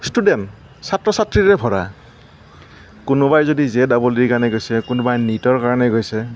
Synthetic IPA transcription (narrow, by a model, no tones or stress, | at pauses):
studɛn | satɹɔsatɹiɹɛbʱɔɹa̰ | kʊnʊbajzodizɛdaboledikaɹnɛɡojsɛkʊnʊbajnitɔɹkaɹɔnɛɡojsɛ